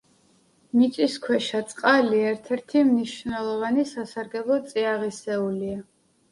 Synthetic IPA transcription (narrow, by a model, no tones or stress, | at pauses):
nit̪ʼiskʰwɛʃat̪sʼqʼaliɛɾt̪ʰɛɾt̪ʰimniʃvnɛlˠɔvanisasaɾɡɛblˠɔt̪sʼiaʁisɛulia